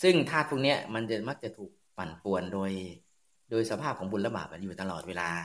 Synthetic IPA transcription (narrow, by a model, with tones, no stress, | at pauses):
sɯ˥˩ŋt̪ʰaː˥˩u˧˩ŋni˦˥ɐma˧nt͡ɕa˨˩ma˦˥˩k̚t͡ɕa˨˩t̪ʰuː˨˩k̚pa˨˩npu˨˩əndoː˧j | doː˧jsa˧pʰaː˥˩p̚kʰɔː˩˦ŋbu˧nla˧ba̰ː˨˩p̚a̰˨˩juː˨˩t̪a˧lɔː˨˩t̪̚weː˧laː˧